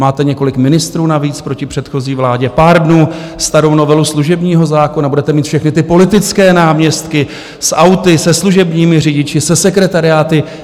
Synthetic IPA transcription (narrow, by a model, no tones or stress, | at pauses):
maːt̪ɛɲɛko̞lɪkmɪnɪst̪ɾuːnaviːt͡spɾo̞cɪpr̝̥ɛt̪xo̞ziːvlaːɟɛpaːɾdnuː | st̪aɾownovɛlusluʒɛbɲiːɦo̞zaːko̞nabudɛt̪ɛmiːt̪fʃɛxnɪt̪ɪpo̞lɪt̪ɪt͡skɛːnaːmɲɛst̪kɪ | sʔawt̪ɪsɛsluʒɛbɲiːmɪrɪɟɪt͡ʃɪsɛsɛkɾɛt̪aɾɪaːt̪ɪ